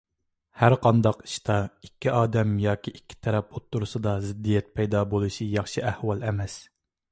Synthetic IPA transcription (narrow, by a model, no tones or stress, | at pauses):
hæɾqʰɑnd̪ɑqi̥ʃt̪ʰɑikʲːiʔɑːd̪ɛmjɑːkʲiʔikʲʰːi̥t̪ʰɛɾɛp̚ot̪ːuɾusɨd̪ɑzɪd̪ːijɛt̪̚pʰɛjd̪ɑːbolˠuʃijɑχʃiæhwɑlˠɛmɛs